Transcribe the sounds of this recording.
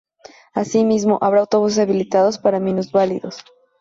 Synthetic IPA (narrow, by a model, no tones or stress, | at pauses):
asimizmo̞ʔaβɾaːawt̪o̞βus̬esaβilit̪að̞o̞spaɾamĩnuzβaliðos